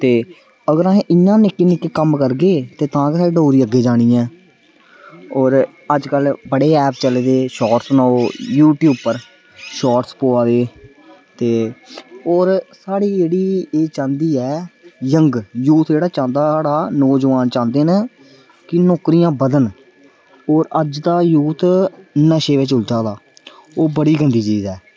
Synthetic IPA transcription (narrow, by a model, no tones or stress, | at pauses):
t̪eː | əɡəɾãːɦẽʔɪjãːnɪkːeːnɪkːeːkəmkəɾɡeːt̪eːt̪ãːkesaːɽiːɖoːɾiːəɡːeːd͡ʒaːɽ̃iːɛ̃ː | ɔːɾ | əd͡ʒkəlbəɽeːɛːpt͡ʃəleːd̪eːʃɔːʈsnaoːjuːʈjuːb̚pəɾ | ʃɔːʈspoːaːd̪eː | t̪eː | oːɾsaːɽiːd͡ʒeːɽiːeːt͡ʃãːnd̪iːɛːjəŋɡjuːt̪d͡ʒeːɽaːt͡ʃãːnd̪aːɽaːnɔːd͡ʒəʋaːnt͡ʃãːnd̪eːnə | kɪnɔːkɾɪjãːbəd̪ən | oːɾəd͡ʒd̪aːjuːt̪nəʃeːʋɪt͡ʃʊlt̪aːd̪aː | oːbəɽiːɡənd̪iːt͡ʃiːzɛː